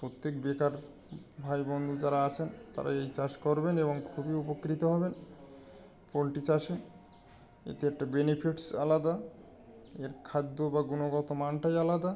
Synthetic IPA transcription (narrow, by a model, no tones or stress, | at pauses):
pɾot̪ːekbekaɾ | bʱajbɔnd̪ʱud͡ʑaɾaat͡ɕʰent̪a̰ɾa̰ejt͡ɕad͡ʑkɔɾbeneβoŋkʰubiupokːɾit̪oɦɔben | pɾolʈit͡ɕaʃen | ḛt̪eɛk̚ʈabenipʰiʈsalad̪a | eɾkʰad̪ːobaɡunoɡɔt̪omanʈajalad̪a